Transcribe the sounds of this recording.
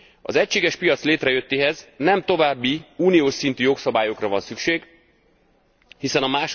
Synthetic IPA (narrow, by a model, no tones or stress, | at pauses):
ɒ̰zɛcʃeːɡɛʃpijɒt̪sleːt̪rɛjø̞t̪ːeːɦɛznɛmt̪o̞vaːbːiuːnijoːʃsint̪yːjo̞ksɒbaːjo̞krɒvɒnsykʃeːɡ | hisɛnɒmaːʃ